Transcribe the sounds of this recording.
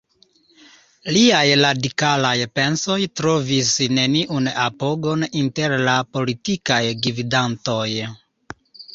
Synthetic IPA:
liajɾadikalajpe̞nso̞jtɾo̞visne̞niʔunapo̞ɡo̞ninte̞ɾlapo̞litikajɡividanto̞j

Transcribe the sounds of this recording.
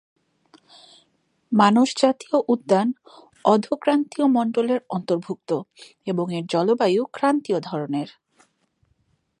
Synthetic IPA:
manoʃd͡ʑat̪ioʔud̪ːan | ɔd̪ʱokɾant̪iomɔɳɖoleɾɔnt̪oɾbʱuk̚t̪o | eboŋeɾd͡ʑɔlobajukɾant̪iod̪ʱɔɾoneɾ

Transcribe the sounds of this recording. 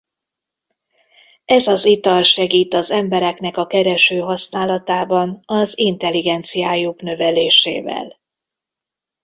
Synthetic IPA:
ɛzɒzit̪ɒlʃɛɡiːt̪ɒzɛmbɛɾɛknɛkɒkɛɾɛʃøːɦɒsnaːlɒt̪aːbɒnɒzint̪ɛliɡɛnt̪sijaːjuknø̞vɛleːʃḛːvɛ̰l

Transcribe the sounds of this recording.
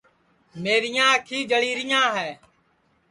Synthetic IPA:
meːɾɪjãːəkʰiːd͡ʒəɭiːɾɪjãːɦɛː

